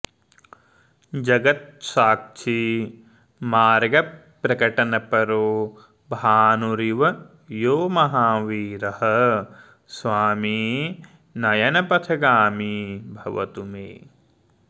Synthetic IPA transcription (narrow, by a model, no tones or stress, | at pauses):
d͡ʒɐɡɐt̪̚saːk̚t͡ʃʰi | maːɾɡɐpːɾɐkɐʈɐnɐpɐɾoː | bʱaːnuɾiʋɐ | joːmɐɦaːʋiːɾɐhɐ | sʋaːmi | nɐjɐnɐpɐt̪ʰɐɡaːmibʱɐʋɐ̰t̪umḛː